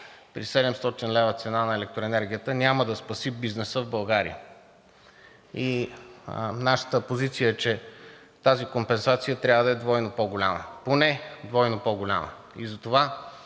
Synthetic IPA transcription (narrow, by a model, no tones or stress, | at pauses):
pɾisɛd̪ɛmst̪ɔt̪inlɛvət̪sɛnanɐɛlɛk̚t̪ɾoɛnɛɾɡʲijət̪ənʲaməd̪ɐspɐsibiznɛsəvbɐlˠɡaɾḭə̰ | i | naʃə̥t̪əpozit̪sijəɛt͡ʃɛ | t̪azikompɛnsat̪sijət̪ɾʲavəd̪ɐɛd̪vɔjnopɔɡʊlʲa̰mə̰ponɛd̪vɔjnopɔɡʊlʲa̰mə̰ | ḭzɐt̪ova